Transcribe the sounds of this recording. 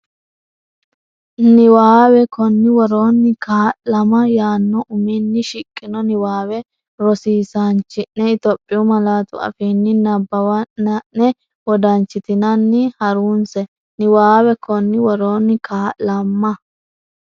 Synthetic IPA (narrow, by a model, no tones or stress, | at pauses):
nɪwaːwɛkɔnːɪwɔɾoːnːɪkʰaːʔlɐmɐjaːnːɔʔʊminːɪʃɪkʼːɪnɔnɪwaːwɛ | ɾɔsiːsant͡ʃːɪnːɛɪt̪ɔpʼːɪʊmɐlaːt̪ʊ̰ɐ̰fiːnːɪnɐbːɐwɐnːɐnːɛ | wɔd̪ɐnt͡ʃːɪt̪ɪnɐnːɪhɐɾuːnsɛ | nɪwaːwɛkʰɔnːɪwɔɾoːnːɪkʰaːlɐmːɐ